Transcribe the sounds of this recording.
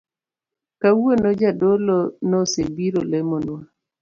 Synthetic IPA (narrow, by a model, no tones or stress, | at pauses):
kawonɔd͡ʒadolɔnɔsebiɾolemonwa